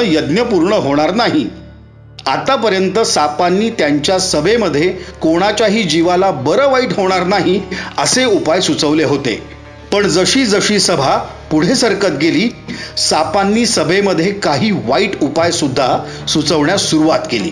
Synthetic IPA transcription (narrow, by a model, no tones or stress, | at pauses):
jəd̪njəpuɾɳəɦoɽ̃aɾnaɦi | at̪apəɾjənt̪əsapanːiːt̪jaɲt͡ɕjasəbʱeməd̪ʱːjekoɽ̃at͡ɕjaɦiːd͡ʑiʋalabəɾəʋaiːʈɦoɽ̃aɾnaɦiəseupajsut͡səʋleɦot̪ḛ | pəɳd͡zəɕiːd͡zəɕiːsəbʱa | puɽ̤esəɾkət̪ɡeliːsapanːiːsəbʱeməd̪ʱːjekaɦiːʋaiːʈupajsud̪ʱːasut͡səʋɳjasuɾuʋat̪kelḭː